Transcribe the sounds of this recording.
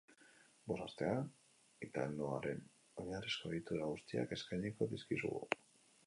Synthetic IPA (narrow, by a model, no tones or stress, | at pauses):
bo̞sast̪e̞a | et̪alnoaɾe̞n | o̞ɲarisko̞eɣit̪uɾaɣust̪ia̰ke̞skajɲiko̞ðiskisṵɣṵ